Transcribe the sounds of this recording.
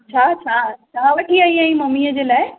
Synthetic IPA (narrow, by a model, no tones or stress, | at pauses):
t͡ɕʰaːt͡ɕʰat͡ɕaãʋɐɗiaːĩãĩmɐmiəd͡ʑeːlaːɪ